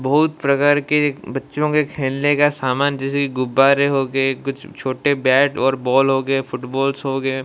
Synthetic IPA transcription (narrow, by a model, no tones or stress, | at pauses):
bɐɦʊt̪pɾɐkaːɾkebɐtːʃõkekʰeːnlekasaːmaːnd͡ʒɛːsekiɡʊbːaːɾeɦoːɡeekʊt͡ʃʰt͡ʃʰoːʈebɛːʈɔːɾbɔːlɦoːɡəefʊʈbɔːlsɦoːɡe